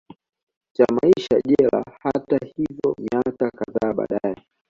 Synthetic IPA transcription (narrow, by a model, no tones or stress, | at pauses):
t͡ʃamaiʃaʄɛla̰hatahivjɔmiakakaðaːɓa̰ːɗaɛ